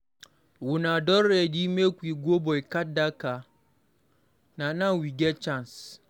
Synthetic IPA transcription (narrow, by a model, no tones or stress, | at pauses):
wunadɔɾːedimekʷiɡʷobɔjkadaka | nanãŋwiɡʲɛt͡ʃans